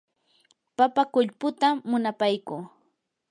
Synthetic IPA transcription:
papakʊʎpʊt̪aːʊnapajkʊː

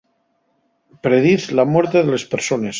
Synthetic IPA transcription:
pɾeðiθlamweɾt̪eðelespeɾsones

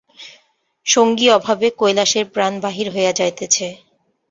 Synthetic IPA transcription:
ʃoŋɡiɔbʱabekojlaʃeɾpɾanbaɦiɾɦojad͡ʑajt̪et͡ɕʰe

